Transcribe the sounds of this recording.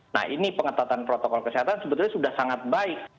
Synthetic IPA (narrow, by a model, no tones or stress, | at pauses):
na̰hinipəŋət̪at̪anpɾot̪okɔlkəseɦat̪ansəbət̪ʊlɲasudahsaŋat̪̚baɪk̚